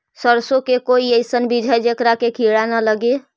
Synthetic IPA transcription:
səɾsokekoiəjsənbid͡ʒʱəd͡ʒekɾakekʰiɽanələɡe

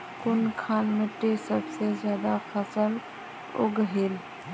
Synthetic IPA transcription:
kʊnkʰanmẽʈesəbsed͡ʒjaːd̪akʰəsəl | o̰ɡəɦel

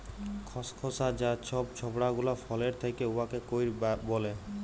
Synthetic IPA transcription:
kʰɔskʰɔsad͡ʑat͡ɕʰɔbt͡ɕʰɔbɽaɡulafɔleɾt̪ʰekeuakekojɾbole

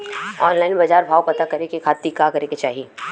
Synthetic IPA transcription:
ɔ̰ːnlaːɪnbɐd͡ʒaːɾbʱaːwpɐt̪akɐɾekekʰaːt̪ikakɐɾeket͡ʃaːɦie

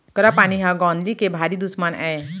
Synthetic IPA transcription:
kəɾapaɽ̃iɦãɡɔ̃nd̪likebʱaɾid̪usmanɛ

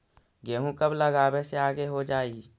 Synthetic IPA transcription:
ɡeːɦũkəbləɡaːbeseaːɡeɦod͡ʒaːiː

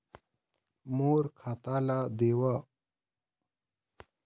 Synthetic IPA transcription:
moːɾkʰat̪aːlad̪eːwa

